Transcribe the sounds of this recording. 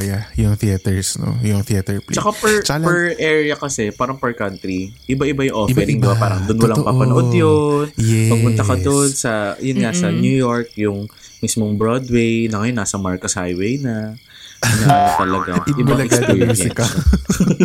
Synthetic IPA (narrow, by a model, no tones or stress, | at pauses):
jajʊŋθit̪ɛɹsno̰jʊŋθiɐt̪ɛɹplt͡ʃɐkapɛɹt͡ʃpɛɹʔɛɹjɐkɐsɛpaːɾɐŋpɛɹkɐnt̪ɾiʔɪbaʔɪbajʊŋʔoɛɾɪŋɪbapaːɾɐŋd̪onwɐlapɐpɐoʔod̪jonjɛpɐɡ̚mʊnt̪ɐkɐd̪onsɐjʊnŋasɐnjujo̞ɹk̚jʊŋ | mismoŋbɹod̪wejnɐŋɐjonːasɐmaɹkosha̰jwejnɐ | nɐt̪ɐlɐɡaɪbɪbaŋɐɪɡaɛɹɐɪka